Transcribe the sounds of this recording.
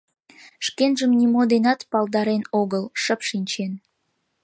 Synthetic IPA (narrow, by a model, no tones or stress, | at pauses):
ʃkenʒəmnʲimod̪enɑt̪pɑld̪ɑɾenoɣəlʃəpʃinʲt͡ɕen